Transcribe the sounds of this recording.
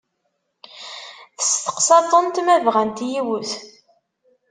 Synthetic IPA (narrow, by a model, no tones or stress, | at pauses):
θə̥st̪ə̥qsɑt̪ˤənt̪mævʁænt̪jiwʊθ